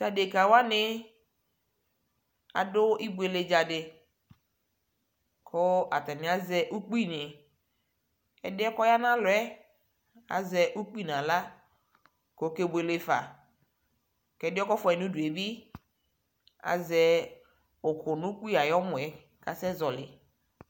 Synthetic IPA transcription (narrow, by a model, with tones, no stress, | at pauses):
sa˨de˨ka˨wa˦nɪ˦ | a̰˨dʊ˦i˦bʊ˦e˨le˨d͡ʒa˨dɪ˨ | kʰo˦a˨tɛ˨nɪ˨˦a˦zɛ˦ʔu˦k͡pi˦˨nɪ˨ | ɛ̰˨dɪ˦ɔ˦kɔ˦ja˦na˦lʊ˨ɛ˦ | a̰˨zɛ˨ʔu˦k͡pi˦˨nã˨la˦ | ko˨˦ke˦be˨le˦fa̰˨ | kɛ˨˦dɪ˦ɔ˦kɔ˦fɔ˨ɛ˨nũ˦du˨e˨bi˦ | a̰˨zɛ˨ | o˨kʊ˨nũ˦k͡pi˦a˨jɔ˦mʊ̃˨ɛ˨ | ka˨sɛ˦zɔ˨lɪ̰˨